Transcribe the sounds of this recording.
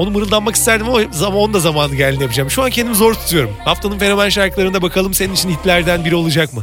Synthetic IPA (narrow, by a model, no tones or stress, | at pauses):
o̞numɯɾɯlˠd̪anmaki̥st̪ʰæɾd̪imzao̞nd̪azamaːnɯɟælʲinjapɯd͡ʒaːmʃuancʰend̪imizo̞ɾt̪ʰu̥t̪ʰujo̞ɾumhaft̪ʰanɯnfe̞ɾomɛnʃaɾkʰɯlˠaɾɯnd̪abakʰalˠɯmse̞ninit͡ʃʰinhit̪lʲæɾd̪ænbiɾio̞lˠud͡ʒakmɯ